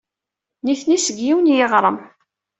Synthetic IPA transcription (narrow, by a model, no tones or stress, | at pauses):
niθnisəɡjiwnjɪʁɾˤəm